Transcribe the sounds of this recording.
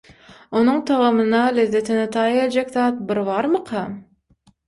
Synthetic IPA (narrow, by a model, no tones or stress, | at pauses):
onuɴt̪ʰɑʁɑmɯnɑlezːet̪inet̪ʰɑjelʲd͡ʒekt̪ɑːt̪̚bɪɾβɑɾmɯqʰɑ